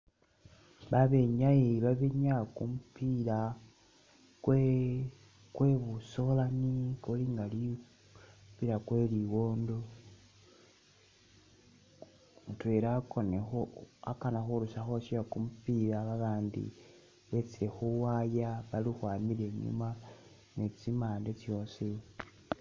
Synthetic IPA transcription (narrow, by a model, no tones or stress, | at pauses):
βaβeɲaeβaβeɲakumupila | kwe | kwe̞βuso̞lanikoliŋɡali | βiɾakwe̞liwo̞ːndo̞ | utwe̞ɾako̞nexoa̰kanaxulusaxoʃijakumupilaβaβaːndḭ | βe̞t͡siɾe̞xuwajaβalixwaːmile̞ɲṵma | ne̞t͡simaːndet͡sjo̞si